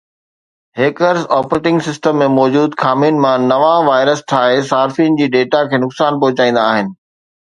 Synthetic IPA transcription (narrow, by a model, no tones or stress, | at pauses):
ɦeːkəɾzɔːpɾeːʈɪ̃ŋɡsɪsʈəmːẽmɔːd͡ʑuːd̪kʰaːmiːnɪ̆mãnɐʋãʋaːɪɾəst̪ʰaːɦesaːɾfiənɪ̆d͡ʑiːɖeːʈakʰeːnʊksaːnpɐɦʊt͡ɕaːĩːn̆d̪aːɦɪnɪ̆